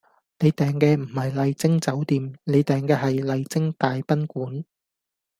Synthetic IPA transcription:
ne˨˧jt̪ɛː˨ŋkɛː˧m̩˨˩hɐ˨jlɐ˨˧jt͡sɪ˥ŋt͡sɐ˨˥wt̪iː˨mne˨˧jt̪ɛː˨ŋkɛː˧ɦɐ˨jlɐ˨jt͡sɪ˥ŋt̪aː˨jpɐ˥nkuː˨˥n

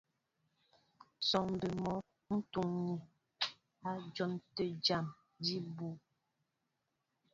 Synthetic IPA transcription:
sɔ˨ŋm˨bə˨mɔ˨˦ | n̩˦tu˨ŋɲi˨ | a˦d͡ʒɔ˦mtə˦d͡ʒa˦˨m | di˦bu˨

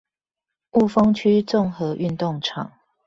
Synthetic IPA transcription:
u˥˨fɤ˥ŋt͡ɕʰy˥t͡sʊ˥˨ŋxɤ˨˦ʔy˥˧nt̪ʊ˥˨ŋʈ͡ʂʰɑ̰˨˩˦ŋ

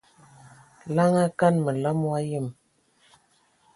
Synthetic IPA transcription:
la˦ŋa˦ka˦nmə˨la˦mwa˦jə˦˨m

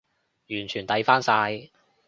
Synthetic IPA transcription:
jyː˨˩nt͡ʃʰyː˨˩nt̪ɐ˨˧˥jfaː˥nsaː˧j

